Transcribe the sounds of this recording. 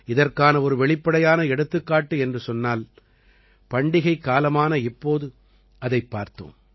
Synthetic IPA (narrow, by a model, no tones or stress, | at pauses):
ɪðɐrkaːnɐɔɾɯʋɛɭɪpːɐɽɐjaːnɐɛɽɯt̪ːɯkːaːʈːɯɛndrɯsɔnːaːl | pɐɳɖɪɣɐɪkːaːlɐmaːnɐɪpːoːðɯ | ʔɐðɐɪpːaːɾt̪ɯ̰m